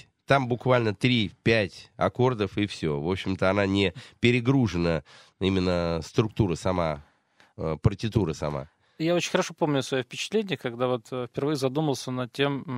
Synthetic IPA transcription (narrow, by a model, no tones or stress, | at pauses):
t̪ambʊkvalʲnət̪ɾʲipʲætʲɐ̰ko̞rd̪əfɪfsʲɵ̰vo̞pɕːɪmt̪əɐn̪anʲɪpʲɪɾʲɪɡɾuʐɨnə | imʲɪnːəst̪ɾʊk̚t̪uɾəsɐma | əpərtʲɪt̪uɾəsɐma̰ | jaot͡ɕɪnʲxəɾɐʂopomnʲʊsvɐjofpʲɪt͡ɕɪ̥t̪lʲenʲɪjəkɐɡd̪avo̞t̪fpʲɪrvɨjəzɐd̪uməlˠsʲənɐtʲːe̞m